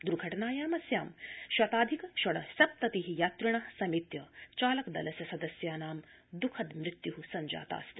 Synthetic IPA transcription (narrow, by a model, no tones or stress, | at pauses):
d̪uɾɡʱɐʈɐnaːjaːmɐsjaːmʃwɐt̪aːd̪ʱikɐʃɐɽɐsɐp̚t̪ɐt̪iɦijaːt̪ɾiɳɐsɐmit̪jɐt͡ʃaːlɐkd̪ɐ̰lɐsjɐsɐd̪ɐsjaːnaːmd̪ukʰɐd̪mɾɪt̪juɦusɐɲd͡ʒa̰ːt̪a̰ːst̪i̥